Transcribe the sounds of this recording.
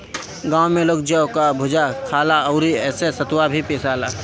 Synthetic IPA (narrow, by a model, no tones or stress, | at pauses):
ɡãːwmeloːk̚d͡ʒəokabʱʊd͡ʒakʰaːlaəʊɾiɛːsesət̪wabʱipeːsaːlaː